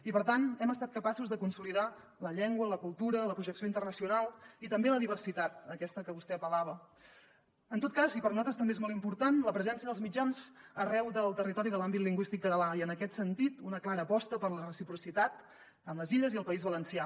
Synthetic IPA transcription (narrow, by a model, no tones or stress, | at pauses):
ipəɾt̪anɛməst̪at̪kəpasuzðəkunsuliða | ləʎɛŋɡwələkulˠt̪uɾələpɾuʒəksioint̪ərnəsiunalˠit̪əmbeləðiβ̞ərsit̪at̪̚əkɛst̪əkəβust̪ɛəpəlaβ̞ə | ənt̪ot̪kazipəɾnuzat̪ɾəst̪əmbeezmolˠimpuɾt̪anləpɾəzɛnsiəðəlzmid͡ʒanzərɛwðəlˠt̪ərit̪ɔɾiðəlambit̪liŋɡwist̪ikkət̪əlaiənəkɛt̪sənt̪it̪unəklaɾəːpɔst̪əpəɾlərəsipɾusit̪at̪ | əmləziʎəziəlˠpəizβələnsia